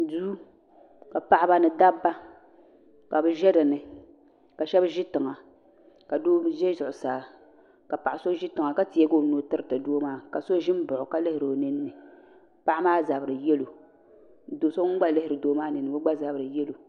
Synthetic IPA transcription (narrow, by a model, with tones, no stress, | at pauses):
du˦ | ka˨pa˨ʔba˦nɨ˨da˦bːa˦ | ka˨bɨ˦ʒɛ˦dɨ˨nɨ˨ | ka˨ʃɛ˦bʒɪ˦tɨ˨ŋa˨ | ka˨doː˦ʒɛ˦zʊ˨ʔʊ˨saː˨ | ka˨pa˨ʔa˨so˦ʒɪ˦tɨ˨ŋa˨ka˦ti˨ɛ˦ɡo˦˨noː˦tɨ˦ɾɨ˦tɨ˨doː˦maː˦ka˨so˦ʒɪ˦m˦bʊ˨ʔʊ˨ka˦lɪ˦hɪ˨ɾo˨nɨ˦nːɨ˨ | pa˦ʔa˦maː˦za˨bɾɨ˨jɛ˦lo˨ | doː˨so˦ŋ˦ɡ͡ba˦lɪ˦hɪ˨ɾɨ˨doː˦maː˦nɨ˨nɨ˨bɨ˦ɡ͡ba˦za˨bɨ˨ɾɨ˨jɛ˦lo˨